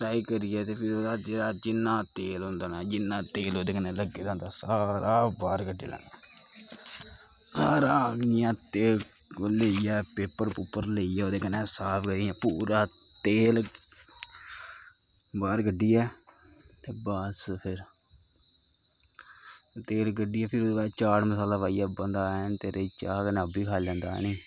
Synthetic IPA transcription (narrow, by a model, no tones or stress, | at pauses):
ʈɾaːikəɾɪjɛːt̪eːpʰɪɾoːd̪aːd͡ʒeːɽaːd͡ʒɪnːãːt̪eːlõːnd̪aːnaːd͡ʒɪnːãːt̪eːloːd̪eːkənẽːləɡeːd̪ãːnt̪aːsaːɾaːbaːɾɡəɖḛːlɛ̰ːnaː | saːɾaːɪjãːt̪eːl | leijɛːpeːpəɾpuːpːəɾləijɛːoːd̪eːkənɛːsaːpʰɡəɾijãːpuːɾaːt̪eːl | baːɾɡəɖːiːɛː | t̪eːbəspʰɪɾ | t̪eːlɡəɖiːɛːpʰɪɾoːd̪eːbaːt͡ʃaːɽməsaːlaːʋaːijaːbənd̪aːnt̪eːɾʔet͡ʃaːkənɛ̃ːəbiːkʰaːlɛ̃ːnd̪a̰ːniː